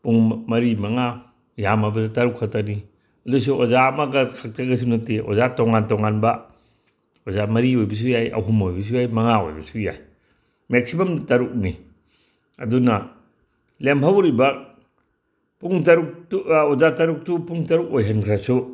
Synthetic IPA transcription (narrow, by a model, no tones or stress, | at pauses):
puŋmɐɾimɐŋa | jamɐbɐdɐtɐɾukʰak̚tani | ɐdus̬uozamaɡɐkʰak̚tʰaɡɐs̬unɐteʔo̰zatoŋantoŋanbɐ | ozamɐɾiojbɐs̬ujajʔɐ̰ɦumojbɐs̬ujajmɐŋao̰jbɐsuja̰j | mek̚sibamdtɐɾuk̚ni | ɐdunɐ | lemʰawɾibɐ | puŋtɐɾuk̚tuozatɐɾuk̚tupuŋtɐɾuk̚ojɦɐnkʰɾasu